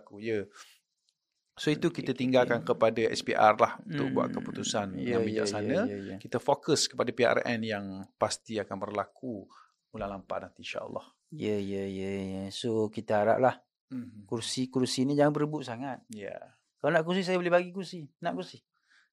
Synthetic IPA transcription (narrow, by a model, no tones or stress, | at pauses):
kujə | soit̪ukiət̪iŋɡalkankəpadaɛ̰spḭʔarlahunt̪ʊʔbua̰ʔkəput̪usanjabid͡ʒa̰ʔsanə̃jkit̪əfokəskə̥padapia̰rɛ̰njaŋpast̪iakanbərlaku | mulahlampa̰hnant̪inʃa̰ʔə̰lˤːɑ̰h | jəjəjəjəsokit̪əaɾa̰ʔ̚lah | kursikursinid͡ʒaŋanbəɾəbʊʔsaŋat̪̚ja̰ | kalonãʔk̬ursisajəbolɪhbaɡikursinaʔkursi